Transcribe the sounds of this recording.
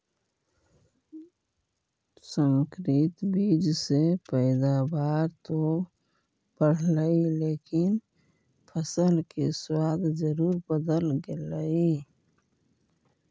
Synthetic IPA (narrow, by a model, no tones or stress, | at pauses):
səŋkɾɪt̪biːd͡ʒsepəɪd̪abaːɾt̪o | bəɽ̤ləileːkɪn | pʰəsəlkeswaːd̪d͡ʒəɾuːɾbəd̪əlɡeləi